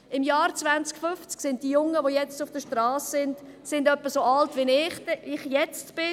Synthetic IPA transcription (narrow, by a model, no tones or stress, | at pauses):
ɪmjɑːɾt͡svant͡skfʏft͡sksɪnt̚dijʊŋːəʋojɛt͡stʊfd̥əʃtrɑːssɪnd | sɪndœpːəsoɑltvinɪχɪχjɛt͡stb̥ɪ